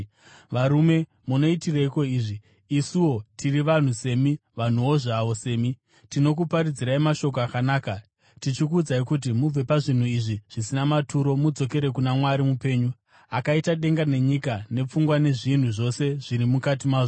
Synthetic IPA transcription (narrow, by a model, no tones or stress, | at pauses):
ʋaɾume̞ | muno̞itiraiko̞iːʐiː | siwo̞tʰiriʋan̤use̞miʋan̤uwo̞ʐaʋo̞se̞ːmi | tino̞k̬upaɾid͡ziɾaimaʃo̞k̬oakanaːka | tit͡ʃik̬uːd͡zaikut̬imub͡ve̞paʐin̤uiʐiʐ̥isinamatʰuɾo̞mud͡zo̞k̬e̞ɾe̞kunamwaɾimupe̞ːɲu | akaitaɗe̞ŋɡane̞ɲikane̞p͡fuŋɡwane̞ʐin̤uʐo̞se̞ʐ̥iɾimukat̬imaːʐ